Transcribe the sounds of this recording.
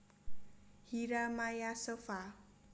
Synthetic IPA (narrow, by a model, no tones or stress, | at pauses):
hiɾamajasɔfa